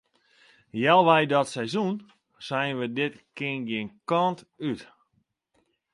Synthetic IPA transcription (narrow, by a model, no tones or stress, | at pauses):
jɛlˠʋɛjdɔtsɛjzun | sɛjnʋədɪtkɪnɡɪnkɔnt | yt